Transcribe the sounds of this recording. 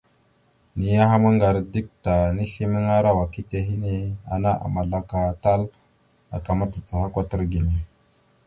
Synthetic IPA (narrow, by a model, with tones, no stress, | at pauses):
ni˨ja˦ɦa˦mə˦ŋɡa˨ɾdi˦k̚ta˨ni˦ɬi˦mi˦ŋa˦ɾa˦wa˨ki˦te˦ɦi˦ne˦a̰˨na˦ʔa̰˨ma˨ɮa˦ka˨ta˦l | a̰˨ka˨ma˦t͡si˨t͡sa˨ha˦kʷa˦tə˦ɾɡi˨ne˨